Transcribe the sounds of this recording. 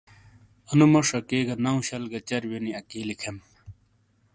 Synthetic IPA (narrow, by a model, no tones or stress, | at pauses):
ɐnumɐʂɐkeːɡɐnɐũɕɐlɡɐt͡ɕɐɾwoniɐkiːlikʰem